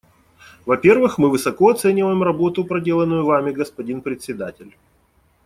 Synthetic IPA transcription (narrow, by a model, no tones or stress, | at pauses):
vɐpʲe̞rvɨxmɨvɨsɐko̞ɐt̪sɛnʲɪvəjɪmrɐbo̞t̪ʊpɾɐdʲe̞lˠənːʊjʊvamʲɪɡəspɐdʲinpɾʲɪt̪sʲɪd̪atʲɪlʲ